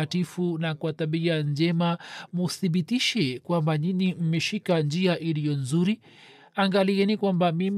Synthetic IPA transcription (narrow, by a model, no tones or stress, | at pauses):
atifunakwataɓiand͡ʒɛmamuθiɓitiʃɛkwambaninim̩mɛʃikand͡ʒiaʔilijɔnzuɾi | aŋɡaliɛnikwambamim